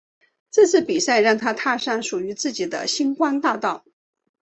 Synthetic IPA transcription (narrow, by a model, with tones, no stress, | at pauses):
ʈ͡ʂɤ˥˧t͡sʰɹ̩˥˩pi˨˩sa˥˧ɪɻɑ˥˩ŋt̪ʰa˥t̪ʰa˥˧ʂa˥˩nʂu˨˩y˧˥t͡sɹ̩˥˩t͡ɕi˨˩d̪ə̰˦ɕi˥ŋkwa˥nt̪a˥˧t̪ɑ˥˩ʊ